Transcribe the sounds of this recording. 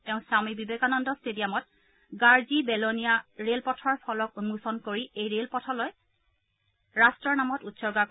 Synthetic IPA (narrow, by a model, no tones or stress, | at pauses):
tɛʊ̃samibibekanɔndɔstedijamɔt̚ | ɡaɹzibɛlonijaɹelpɔtʰɔɹpʰɔlɔkunmusɔnkoɹiejɹelpɔtʰɔlɔj | ɹastɹɔɹnamɔtutsɔɹɡak